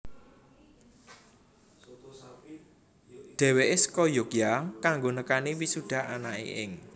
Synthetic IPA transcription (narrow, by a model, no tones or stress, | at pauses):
ɖ̪̥ɛ̤weʔesə̥kɔjokjakaŋɡonəkaniwisuɖ̥a̤anaʔḛʔɪ̰ŋ